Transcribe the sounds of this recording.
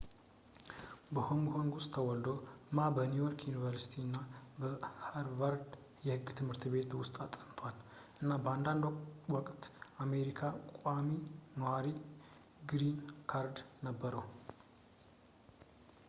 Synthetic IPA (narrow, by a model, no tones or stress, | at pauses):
bəhoŋɡhoŋɡʊsʼt̪ʰəwɔld̪o̞mabənujoɾkjunivəɾsi̥t̪ʰinːabəhaɾvaɾd̪ | jɛhɨɡːt̪ʰɨmhɨɾt̪be̞t̪wʊst̪ʼat̪ʼənt̪ʰʷal | ʔɨnːabəand̪and̪wɔkʼt̪ame̞ɾikʰakʼaminəwaɾi | ɡɾinkʰaɾd̪nəbːəɾəw